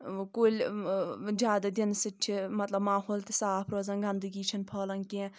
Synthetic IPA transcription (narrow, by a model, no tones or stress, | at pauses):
koːlʲ | d͡ʒjaːd̪ɐd̪insit̪̚t͡ʃʰimɐt̪lɐbmaːɦoːlt̪ʰisaːpʰɾoːzɐnɡand̪ɨɡiːt͡ʃʰinpʰɐːlɐnkẽ